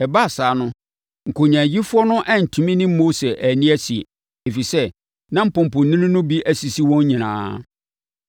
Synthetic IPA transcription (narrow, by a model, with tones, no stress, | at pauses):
ɛ˨ba˦a˨saː˨˦nʊ̃˦ | ŋ̩˨kʰo˨ɲã˨ji˦fu˦ɔ˦nʊ̃˦ʔɛ˦n̩˨tʰũ˨mĩ˦nɪ̃˦mo˦se˨ʔæ˨nĩ˦æ˦si˨ | e˨fi˨sɛ˦ | nã˦m̩˦pʊ̃˨m̩˨pʊ̃˨nnɪ̃˦nʊ̃˦nʊ̃˦bi˦ʔæ˨si˨si˦wɔ̃˦ɲ˦ɲĩ˨nã̰ː˦